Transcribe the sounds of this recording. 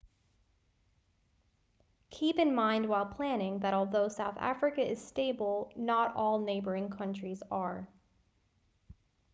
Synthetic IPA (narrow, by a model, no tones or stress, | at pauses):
kʰipɨ̃nmãɪ̃nd̚waɪlˠpʰl̥æ̃nɪ̃ŋðɨɾɔlˠðoʊsaʊθæ̰fɹɨkɨɪz̥steɪbl̩ˠnəɾɔlˠneɪbə˞ɪ̃ŋkʰʌ̃nt͡ʃɹ̥izə˞